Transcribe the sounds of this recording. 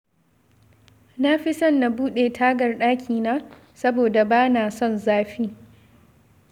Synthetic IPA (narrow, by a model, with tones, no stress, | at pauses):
na˦ɸɪ˦sɐ˦nːa˨buː˦ɗeː˨tʰaː˦ɡɐ˨rɗaː˦kʲʰiː˨naː˦ | sɐ˦boː˨da˨baː˦naː˨sɔ˦nzaː˦ɸiː˦